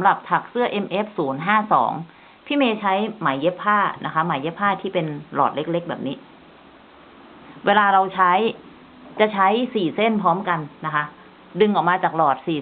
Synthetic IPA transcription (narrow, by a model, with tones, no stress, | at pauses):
mɾa˨˩p̚t̪ʰa˨˩k̚sɯ˥˩ɐʔe˧mʔe˦˥p̚suː˩˦nɦaː˥˩sɔ̰ː˩˦ŋ | pʰiː˦˥˩meː˧t͡ɕʰa˦˥jma˩˦jːe˦˥pʰːaː˥˩nʔa˦˥kʰa˦˥ma˩˦jːe˦˥pʰːaː˥˩t̪ʰiː˥˩pe˧nlɔ̰ː˨˩t̪̚le˦˥k̚le˦˥k̚bɛː˨˩p̚niː˦˥ | weː˧laː˧ɾa˧wt͡ɕʰa˦˥j | t͡ɕa˨˩t͡ɕʰa˦˥jsiː˨˩se˥˩npʰɔː˦˥mka˧nːa˦˥kʰa˦˥ | dɯ˧ŋʔɔː˨˩k̚maː˧t͡ɕaː˨˩k̚lɔː˨˩t̪̚siː˨˩